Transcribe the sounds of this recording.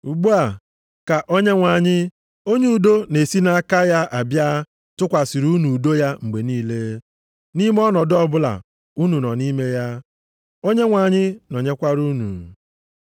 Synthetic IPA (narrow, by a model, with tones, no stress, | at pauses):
u˨ɡ͡bu˦a˨ | ka˨ʔo˦ɲe˦ŋʷa˨ɲɪ˦ | o˦ɲe˦u˨do˦ne˨si˦na˦ka˦ja˦ʔa˨bja˦ | tʊ˦kʷa˨si˨ɾu˦nu˨do˦ja˦ŋ͡m̩˨ɡ͡be˨niː˦le˦ | ni˦m˦ɔ˦nɔ˨dɔ˦bʊ˦la̰˨ | u˦nu˨nɔ˨ni˦me˦ja˦ | o˦ɲe˦ŋʷa˨ɲɪ˦no˨ɲe˦kʷa˦ɾu˦nṵ˨